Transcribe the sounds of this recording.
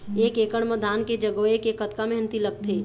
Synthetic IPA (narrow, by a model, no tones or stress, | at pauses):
eːkekəɽ̃məd̪ʱaːnked͡ʒəɡoekekət̪kaməɦnt̪iləɡ̚t̪ʰe